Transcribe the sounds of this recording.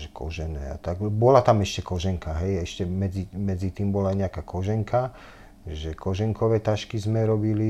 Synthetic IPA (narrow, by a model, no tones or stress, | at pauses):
ʒɛkʰɔ̰ʒɛnɛ̰ːa̰t̪aɡbɔlat̪amɛʃcɛkɔʒɛŋkaɦɛjɛʃcɛmɛd͡zimɛd͡zit̪iːmbɔlaːjɲɛakaːkʰɔʒɛŋkʰa | ʒɛkɔʒɛŋkɔʋɛːt̪aʃkizmɛɾɔbili